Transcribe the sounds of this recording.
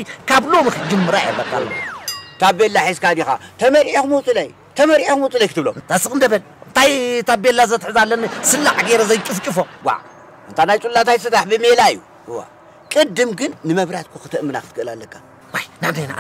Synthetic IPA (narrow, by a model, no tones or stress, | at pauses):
ikʰaβlo̞mikʰɨd͡ʒɨmːɨɾajmɐkːa̰lːo̰t̪ʰabbelːaħiskad̪ixa̰t̪ʰɐmɐɾʔakumuwt͡sʼɨlɐj | t̪ʰɐmɐɾiʔakmut͡sʼɨlɐjkʰɨt̪ɨβlo̰mt̪ʰasɨkʼɨnd̪ɐβɐn | ɨnt̪ʰajt̪ʰabbelːazɐt̪ʰʼɨħɨzalːɐnɨsɨlːaħɡeɾɐzɐjt͡ʃʼɨft͡ʃʼɨfowa̰ʕ | ɨnt̪ʰanajt͡ʃʼulːat̪ʰajsɨt̪aħbɨmelajːu | ɨwːa̰ | kʼɨd̪ːɨmɡɨnːɨmɐβɾat̪̚kʰuxɨ̥t̪ʰɨʔmːɨnakʰɨt̪ɨkɨɨlalːɐkʰːa | wajnabzajna̰